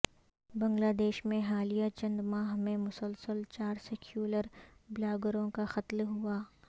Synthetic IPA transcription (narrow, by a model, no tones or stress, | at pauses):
bɐ̃ŋɡlaːd̪eːʃmẽɦaːlijat͡ʃɐ̃nd̪maːɦmẽmʊsəlsəlt͡ʃaːɾseːkʰjuːləɾblaːɡəɾõkaxɐt̪lɦuaː